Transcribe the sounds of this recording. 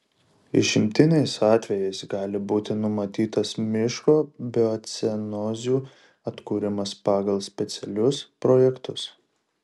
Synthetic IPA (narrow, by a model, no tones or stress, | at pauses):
ɪ̰ʃʲɪmʲt̪ʲɪnʲɛɪsɑːt̪ʲʋʲɛjɛɪsɡɑːlʲɪbuːt̪ʲɪnʊmɐt̪ʲiːt̪ɐsmʲɪʃkoːbʲɪɔt̪sʲɛnɔːzʲuː | ɐt̪kuːɾʲɪmɐspɑːɡɐlˠsʲpʲɛt̪sʲɛlʲʊspɾɔjɛkt̪ʊs